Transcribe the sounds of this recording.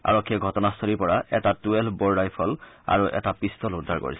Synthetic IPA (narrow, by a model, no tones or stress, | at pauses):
a̰ɹɔkʰːiɛɡʱɔtɔnastʰolipɔɹaʔɛtatuelbɔɹdajpʰɔl | a̰ɹuʔɛ̰tapistɔludʱaɹko̰ɹḭs